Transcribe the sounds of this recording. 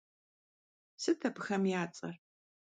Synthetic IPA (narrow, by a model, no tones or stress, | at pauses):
sɨtʰɐpxɐmjaːt͡sʼɐr